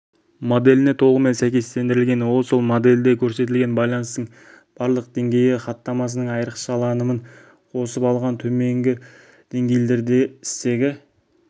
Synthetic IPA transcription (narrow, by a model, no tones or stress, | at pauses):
mo̞d̪e̞lɪnet̪ʰo̞lˠʁəme̞nsæjkʲe̞st̪e̞nd̪ɪɾɪlʲɡʲe̞nwo̞lˠso̞lˠmod̪e̞ld̪ekʲʰɵɾse̞t̪̬ɪlɡʲe̞nbɑjlˠɑnəst̪əɴ | b̥ɑɾlˠəq̚d̪e̞ŋɡʲe̞jɪχɑt̪ːɑmɑs̬ənəɴɑjəɾəqʃɑlˠɑnəməɴ | qʰo̞səpɑlˠʁɑnt̪ʰɵme̞ŋɡʲɪ | d̪̥e̞ŋɡʲe̞jle̞ɾd̪e̞ɪ̥st̪e̞ɡʲɪ